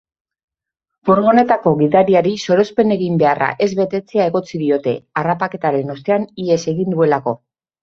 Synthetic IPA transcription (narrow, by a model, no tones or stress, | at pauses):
foɾɣo̞ne̞t̪ako̞ɣiðaɾiaɾiso̞ɾo̞spe̞ne̞ɣimbe̞ara̰ʔe̞zβe̞t̪e̞t͡seae̞ɣo̞t͡siðio̞t̪e̞arapake̞t̪aɾe̞no̞st̪e̞anie̞se̞ɣind̪ue̞lako̞